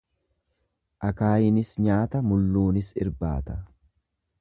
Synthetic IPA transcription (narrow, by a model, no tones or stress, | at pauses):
ʔɐkaːjɪnɪsɲaːt̪ɐmʊlːuːnɪsɪ̰ɾba̰ːt̪ɐ